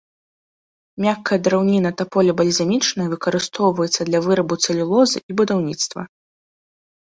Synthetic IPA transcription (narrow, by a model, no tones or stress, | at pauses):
mʲakːɐjɐd̪ɾawnʲinɐt̪ɐpɔlʲɐbɐlʲzʲamʲit͡ʂnɐjɐvɨkɐɾɨst̪ɔwvɐjɛt̪sːɐd̪lʲɐvɨɾɐbut̪sɐlʲilˠɔzɨ̰ʔibud̪awnʲit̪st̪vɐ̰